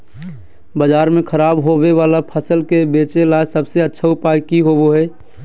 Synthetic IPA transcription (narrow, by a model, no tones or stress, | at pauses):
bəd͡ʒaːɾmẽkʰəɾaːbɦobeʋaːlapʰəsəlkebeːt͡ʃelajsəbseətːʃʰaʊpajkiɦoboɦɛː